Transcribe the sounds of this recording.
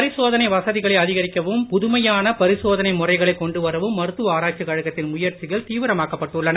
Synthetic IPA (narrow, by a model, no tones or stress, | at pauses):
pɐɾɪsoːðɐnɐɪʋɐsɐðɪɣɐɭɐɐðɪɣɐɾɪkːɐʋɯmpʊðʊmɐjaːnɐpɐɾɪsoːðɐnɐɪmʊrɐɪɣɐɭɐɪkɔɳɖɯʋɐɾɐʋɯmːɐɾɯt̪ːʋɯaːɾaːʈ̚t͡ʃɐkɐɻɐɣɐt̪ːɪnmʊjɐɾt͡ʃɪɣɐlt̪iːʋɪɾɐmaːkɐpːɐʈːɯɭːɐnɐ